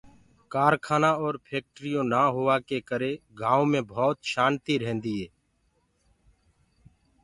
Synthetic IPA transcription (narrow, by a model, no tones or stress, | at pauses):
kaːɾkʰaːnaːɔːɾpʰeːk̚ʈɾɪjõːnaːɦoːaːkeːkəɾeːɡʱaːõmẽːbʱɔːt̪ʃaːnt̪iːɾɛɦɛ̃nd̪iːɦeː